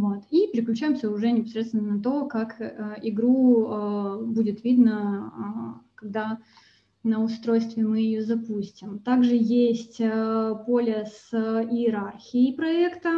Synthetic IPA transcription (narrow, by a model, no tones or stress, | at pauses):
vot̪ipʲɪɾʲɪklʲʉt͡ɕæjɪmsʲəʊʐɛnʲɪpɐsɾʲet̪st̪vʲɪnənət̪̬o̞kakəɪɡɾuəbudʲɪt̪vʲid̪nə | kɐɡ̚d̪a | nəʊst̪ɾo̞jst̪vʲɪmɨjɪjozɐpusʲtʲɪmt̪aɡʐɨjesʲtʲəpo̞lʲəsɪɪɾarxʲɪɪpɾɐɛkt̪ə